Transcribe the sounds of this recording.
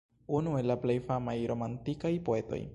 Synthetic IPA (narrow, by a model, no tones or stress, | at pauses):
unue̞lːaple̞jfamajɾo̞mantikajpo̞e̞to̞̰j